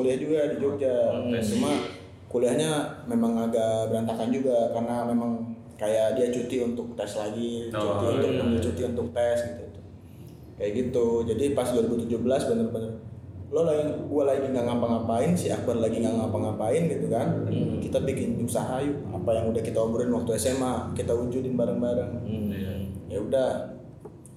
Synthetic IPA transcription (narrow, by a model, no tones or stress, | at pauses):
kuliahd͡ʒuɡadid͡ʒod͡ʒat͡ʃuma | kuliahɲamemaŋaɡabəɾant̪akand͡ʒuɡakarnamemaŋ | kajaʔdiat͡ʃut̪iunt̪ʊk̚t̪ɛslaɡit͡ʃut̪iut̪ʊəndiat͡ʃut̪iunt̪ʊk̚t̪ɛsɡit̪uit̪u̥ | kajaɡit̪ud͡ʒadipasduaɾibut̪ud͡ʒubəlasbənərpaɲalolaɪŋbualaɡiŋaŋampaŋapaɪnsɪɦakuanlaɡiŋaŋampaŋapaɪnɡit̪ukankit̪abikɪniusaɦaju | a̰pajaŋudahkit̪aubuɾɪnwak̚t̪uɛsemakit̪aud͡ʒʊt̪ɪnbaɾəŋbaɾəŋ | kajaudah